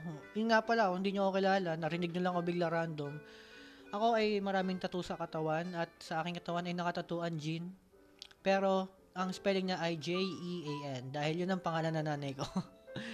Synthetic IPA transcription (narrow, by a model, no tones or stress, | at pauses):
ojʊnŋapɐlaohɪnd̪iːɲookɪlaːlɐnːɐɾɪnɪɡ̚ɲolɐŋʔobɪɡ̚lɐɾand̪o̞m | ʔɐko̞ʔɐjmɐɾaːmɪŋt̪ɐt̪uːsɐkɐt̪ɐwanɐt̪̚sɐʔaːkɪŋkɐt̪ɐwanɐjnɐkɐt̪ɐt̪uːʔɐnd͡ʒin | pɛːɾo̞ | ʔɐŋspɛlɪŋɲɐʔɐjd͡ʒɛjʔiʔejʔɛnd̪aːhɪljʊnɐŋpɐŋaːlɐnɐnaːnɐjko̞